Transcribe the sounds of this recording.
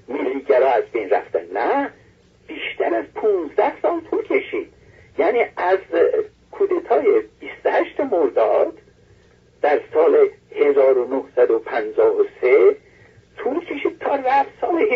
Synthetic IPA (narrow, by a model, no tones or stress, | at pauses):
milːiːɡæɾɒːæzbe̞jnræ̰ft̪ænnæ | b̥iːʃt̪ʰæɾæzpʰũːnzd̪æhsɒːlt̪ʰulcʲʰe̞ʃiːd̪̥ | jæːniːæz | kʰuːd̪et̪ʰɒːje̞b̥ist̪ohæʃt̪emoɾd̪ɒːd̪̥ː | æɾsɒːlehe̞zɒːɾonohsæd̪opʰænd͡ʒɒːhose | t̪ʰulcʰe̞ʃiːd̪̚t̪ʰɒːræfsɒːle